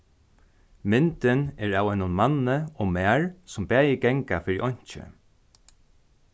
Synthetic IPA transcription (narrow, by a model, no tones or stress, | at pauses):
mɪnt̪ɪnɛːɹaːwɛnʊnmanːəɔmæːɹsʊmbæːjɪɡɛŋkafɪɹiʔɔɲ̥t͡ʃɪ̰